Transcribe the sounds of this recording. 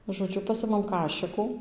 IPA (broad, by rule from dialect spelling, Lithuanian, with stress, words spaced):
ʒoːˈd͡ʒʲʊ ˈpɑːsʲɪmɐm ˈkɑːʃʲɪkuː